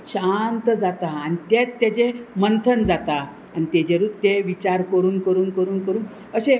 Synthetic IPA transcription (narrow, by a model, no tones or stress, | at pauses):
ɕant̪əd͡zat̪aːnit̪jat̪ːjat͡ɕemənt̪ʰənd͡zat̪a | anit̪ed͡ʑeɾut̪ːeʋit͡ɕaɾkəɾuːnkəɾuːnkəɾuːnkəɾuːn | əɕe